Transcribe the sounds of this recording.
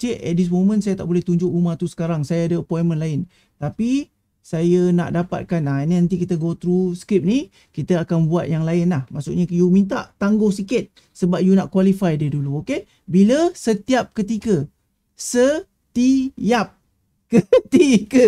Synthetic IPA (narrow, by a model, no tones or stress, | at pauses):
t͡ʃeʔʔɛ̰t̪̚dis̬momə̃nsajat̪a̰ʔbolɛht̪uɲd͡ʒʊkumaht̪usə̥kaɾaŋsajaadəəpɔinmə̃nlaɪn | t̪api | sajəna̰ʔdapa̰t̪̚kananinant̪ikit̪əɡot̪ɾuskɾip̚ni | kit̪əakanbuat̪̚jaŋlaɪnlahmaʔsʊʔɲəjumĩnt̪̬aʔt̪aŋɡohsikɪt̪̚ | səbap̚junaʔ̚kwalifajdiəduluoke | biləsət̪iap̚kət̪ikə | sə | t̪ijap̚ | kət̪ikə